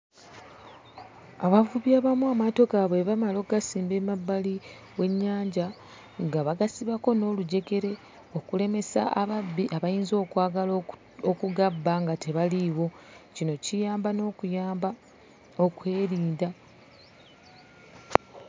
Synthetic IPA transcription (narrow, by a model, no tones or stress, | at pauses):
aβavuβjaβamuamato̞kaβwe̞βamalo̞ːɡasiːmbe̞mabːali | we̞ɲːaːɲɟa | ŋɡaβaɡasiβako̞no̞ːluɟe̞ke̞ɾe̞ | okule̞me̞sa̰aabiʔaβajiːnzo̞ːkwaːɡal | okuɡabːaŋɡate̞βaliwo̞ | cinocijaːmbano | okwe̞ːɾiːnda